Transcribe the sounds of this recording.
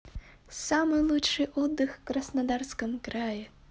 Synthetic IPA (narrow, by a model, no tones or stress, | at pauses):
samɨlˠutʂɨʔɔd̪ːɨxkɾɐsnad̪arskɐmkɾajɛ